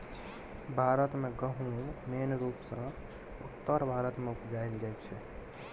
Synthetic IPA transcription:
bʱaːɾət̪mẽɡəɦũmeːnɾuːpsə̃ | ʊt̪ːəɾbʱaːɾət̪mẽʊpd͡ʒaːild͡ʒaet͡ʃʰɛ

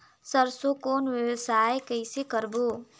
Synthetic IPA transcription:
səɾsokoːnʋjəwəsaːjkəɪsekəɾboː

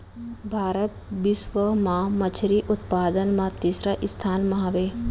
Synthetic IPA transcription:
bʱaːɾət̪̚ʋɪʃʋəmãːmɐt͡ʃʰɾiʔʊt̪paːd̪ənmãːt̪iːsɾaʔɪst̪ʰaːnmaɦaʋeː

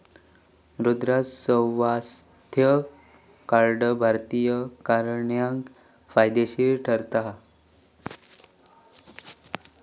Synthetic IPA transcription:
ʋɾud̪ɾasə̃ʋas | t̪ʰjə | kaɾɖəbʱaɾt̪ijəkaɾɳjãŋk | fajd̪eɕiɾʈʰəɾt̪a

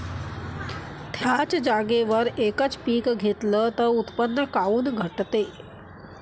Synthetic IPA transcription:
t̪ʰjat͡sd͡ʑaɡeʋəɾekət͡spiːkɡʱet̪lət̪əut̪pənːəkauːnɡʱəʈt̪e

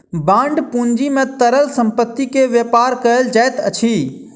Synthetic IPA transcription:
bãːɳɖpũːɲd͡ʒimẽt̪əɾəlsə̃mpət̪ːikeʋjeːpaːɾkəəld͡ʒaːet̪ət͡ʃʰiː

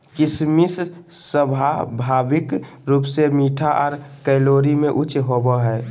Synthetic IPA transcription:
kɪsmissəbʱabʱaːbɪk | ɾuːpsemiːʈʰaʔɔːɾkɛːloːɾimẽʔʊt͡ʃɦobəɦɛː

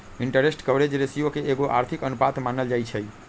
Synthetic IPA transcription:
iɳʈəɾesʈkəʋɾed͡ʒɾesijokeeɡoʔa̰ɾt̪ʰikənupat̪manəld͡ʒajt͡ʃʰəj

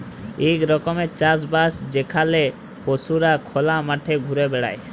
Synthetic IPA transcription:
ekɾɔkomet͡ɕasbasd͡ʑekʰale | posuɾakʰɔlamaʈʰeɡʱuɾebɛɽa̰j

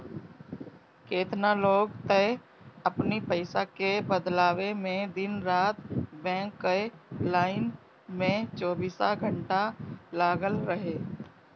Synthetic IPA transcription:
keːt̪naloːɡt̪əɪ | əpnipəɪsakebəd̪laːwemẽd̪ɪnɾaːt̪bɛ̃ːŋkːəlaːɪn | mẽt͡ʃoːbiːsaɡʱəɳʈalaːɡəlɾəɦeː

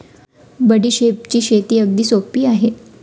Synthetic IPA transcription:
bəɽiːɕep̚t͡ɕiːɕet̪iːəɡ̚d̪iːsopiːaɦe

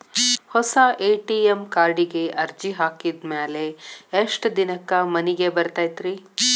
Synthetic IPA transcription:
hɔsɐʔeːʈiemkaːɾɖiɡeʔɐɾd͡ʒiɦaːkid̪meːleːʂʈd̪inɐkːɐmɐniɡebɐɾt̪aːjt̪ɾi

